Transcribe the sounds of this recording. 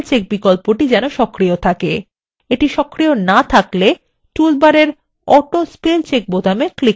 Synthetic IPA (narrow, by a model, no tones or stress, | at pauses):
lt͡ɕek̚bikolpoʈid͡ʑɛnoʃɔkɾijot̪ʰake | eʈiʃɔkɾionat̪ʰakle | ʈulbaɾeɾ | ɔʈospelt͡ɕek̚bod̪ʱameklik